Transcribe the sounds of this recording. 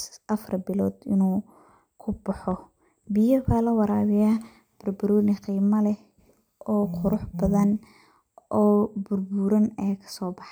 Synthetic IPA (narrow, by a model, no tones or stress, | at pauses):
ʔɐfrbɪlɔːd̪ɪnuː | kʰʊbɑħɔ | bɪjɐbaːlɐwɑɾaːβɪja | b̥ɐrbʊɾuːnɪqiːmɐlɛ | ʔɔːqʰʊɾʊħbɐðɐn | ʔɔːbʊrbʊɾɐnɛːkʰɐ̥sɔːbɑħ